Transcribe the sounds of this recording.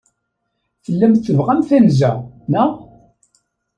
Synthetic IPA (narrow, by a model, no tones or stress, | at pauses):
θəlːæmt͡sːəvʁæmθænzænæ